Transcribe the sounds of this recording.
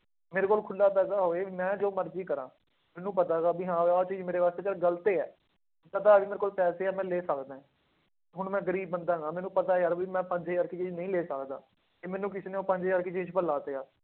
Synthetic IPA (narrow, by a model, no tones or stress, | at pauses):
meːɾeːkoːlkʰʊlːaːpɛːsaːɦoːeːmɛ̃ːd͡ʒoːməɾziːkəɾãː | mɛːnũːpət̪aːɡaːbiːɦãːʋɔːɾt͡ʃiːd͡ʒmeːɾeːʋaːst̪eːt͡ʃəlɡəlt̪eːɛ̰ː | pət̪aːbiːmeːɾeːkoːlpɛːseːaːmɛ̃ːleːsəkd̪aːɛ̃ː | ɦʊɳmɛ̃ːɡəɾiːbːənd̪aːɡaːmɛ̃ːnũːpət̪aːejaːɾbiːmɛ̃ːpəɲd͡ʒeːaːɾkɪt͡ʃiːd͡ʒnəĩːleːsəkd̪a̰ː | eːmɛ̃ːnũːk̬ɪsiːneːoːpəɲd͡ʒejaːɾkɪt͡ʃiːt͡ʃpəɾlaːt̪eːaː